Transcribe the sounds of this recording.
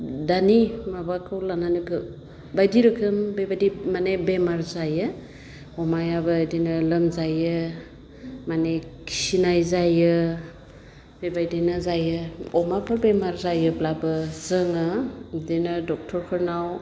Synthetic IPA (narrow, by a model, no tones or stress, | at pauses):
danimabakʰɯwlananiɡɯ | bajdiɾɯkʰɯmbebajdimanebemaɾzajɯ | ɔmajabɯdinɯlɯmzajɯ | manekʰi̥sinajzajɯ | bebajdinɯzajɯɔmapʰɯɾbemaɾzajɯblabɯzɯŋɯdenɯdɔk̚tʰɔɾkʰɯɾnaw